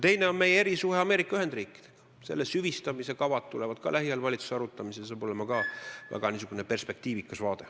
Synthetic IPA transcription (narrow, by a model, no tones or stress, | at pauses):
t̪e̞jne̞o̞nme̞jeeɾisuɦeɑmeɾikːˑɑyɦhe̞nd̪riːkːˑi̥d̪̥eɡ̥ɑ̥ | se̞̰lːesyvist̪ɑmise̞kɑvɑt̪̚t̪ulevɑd̪̥kɑ̰læɦiɑlvɑlʲit̪su̥seɑɾut̪ːˑɑmisesɑːb̥o̞lemɑkɑːvæ̰ɡ̥ɑnis̬uɡ̥unepe̞rspe̞k̚t̪iːvikːˑɑsvɑːd̪e̞